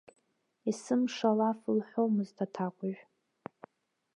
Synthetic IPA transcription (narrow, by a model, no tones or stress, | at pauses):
isɨmʂalafɨlħʷowmɨztʰatʰaqʷʼʊʒᶣ